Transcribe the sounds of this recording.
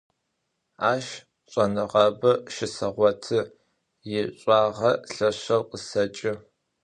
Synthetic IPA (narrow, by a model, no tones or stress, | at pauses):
aːʃ | ɕʷʼɐnɨʁɐbɐʃɪsɐʁʷɔtʰɨ | jɪɕʷʼɑːʁɐɬɐɕɐwqəsɐt͡ʃʼɪ